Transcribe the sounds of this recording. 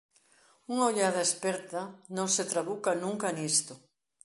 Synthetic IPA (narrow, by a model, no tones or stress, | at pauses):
uŋaoʎað̞aespeɾt̪anõŋset̪ɾaβukanũŋkanist̪ʊ